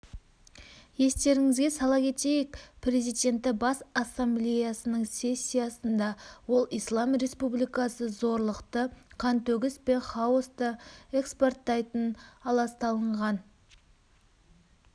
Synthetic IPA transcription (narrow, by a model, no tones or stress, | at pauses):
je̞st̪e̞ɾɪŋɪzɡʲe̞sɑlˠɑkʲʰe̞t̪e̞jɪkprʲe̞zijd̪e̞nt̪ːɪbɑsasːamblʲejasənəɴse̞sʲːijasənd̪ɑwo̞lˠijslˠɑmre̞spublijkɑsəzo̞ɾlˠəqt̪əqʰɑnt̪ɵɡʲɪspe̞χɑost̪əe̞kspo̞rt̪ːɑjt̪ənɑlˠɑst̪ɑlˠəɴʁɑn